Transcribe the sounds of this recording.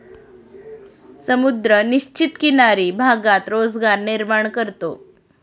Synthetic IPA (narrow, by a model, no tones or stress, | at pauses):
səmud̪ɾəniɕt͡ɕit̪kinaɾiːbʱaɡat̪ɾod͡zɡaɾniɾmaɳkəɾt̪o